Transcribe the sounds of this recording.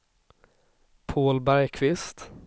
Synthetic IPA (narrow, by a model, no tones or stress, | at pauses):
pʰoːlbæɾjkʰvɪst̪